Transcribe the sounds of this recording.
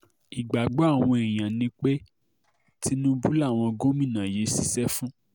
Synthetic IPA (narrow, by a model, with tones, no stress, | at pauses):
i˨ɡ͡ba˨ɡ͡bo˨˦a˦˨w̃ɔ̃˧e˨j̃ã˨nĩ˧˦k͡pe˦ | ti˦nũ˦bu˦la˦˨w̃ɔ̃˧ɡo˦mĩ˦˨nã˨je˨˦si˦sɛ˦fũ˦